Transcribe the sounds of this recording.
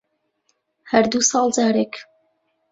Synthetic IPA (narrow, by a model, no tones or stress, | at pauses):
hɐɾd̪usɑːlˠd͡ʒaːɾek